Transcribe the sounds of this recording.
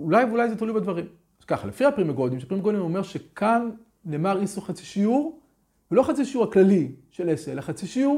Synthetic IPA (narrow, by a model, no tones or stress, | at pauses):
ulajveulajzetalujbed̪vaʁim | skaχalefihapʁimaɡo̞d̪imʃeapʁimaɡo̞d̪imomeʁʃekʰanː | eːmaʁisuχat͡siʃiuʁ | velo̞χat͡siʃiuʁhaklaliʃeleseelaχat͡siʃiuʁ